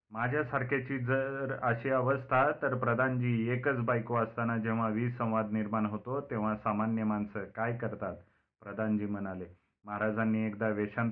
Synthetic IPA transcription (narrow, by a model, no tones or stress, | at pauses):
mad͡ʑʱjasaɾkʰat͡ɕiːd͡zəɾəɕiːəʋəst̪ʰat̪əɾpɾəd̪ʱand͡ʑiːekət͡sbajkoəst̪anad͡ʑeʋ̤aʋiːə̃w̃ʋad̪niɾmaɳɦot̪ot̪ẽʋ̤asamanjəmansəkajkəɾt̪at̪ | pɾəd̪ʱand͡ʑiːmənale | məɦaɾad͡zanːiːekd̪aʋeɕãn